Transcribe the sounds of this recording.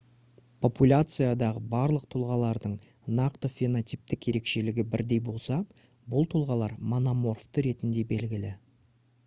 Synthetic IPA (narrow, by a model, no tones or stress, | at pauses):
pʰo̞pulʲat̪sɨjad̪ɑʁəbɑɾlˠəq̚t̪ʰʊlˠʁɑlˠɑɾd̪əɴ | nɑqt̪əfʲe̞not̪ʲip̚t̪ɪkje̞ɾe̞kʃe̞lɪɡʲɪbɪɾd̪e̞jbo̞lˠsɑ | bʊlˠt̪ʰʊlˠʁɑlˠɑɾmonomo̞rft̪əɾe̞t̪ɪnd̪e̞be̞lɡʲɪlɪ